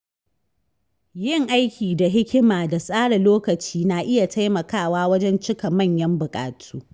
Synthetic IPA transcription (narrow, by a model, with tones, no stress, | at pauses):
jɪ˦˨ŋʔa˦jkʲʰiː˨da˨ɦɪ˦kʲɪ˦maː˨da˨sʼaː˦ɽɐ˨loː˦kɐ˨t͡ʃiː˦na˨ʔɪ˦ja˨tʰa˦jmɐ˨kaː˦˨waː˦wɐ˦d͡ʒɛ˦nt͡ʃɪ˦kɐ˨mɐ˦˨ɲjɐ˦mbʊ˨kʼa̰ː˨tʰuː˦